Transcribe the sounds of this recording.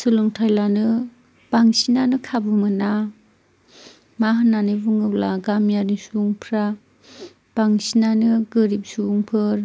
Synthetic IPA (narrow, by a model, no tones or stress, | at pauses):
sɯlɯŋtʰajlanɯ | b̥aŋsinanɯkʰabɯmɯna | maɦɯnːanɯbuŋɯk̚laɡamjanisuŋpʰɾa | b̥aŋsinanɯɡɯɾip̚suŋpʰɯɾ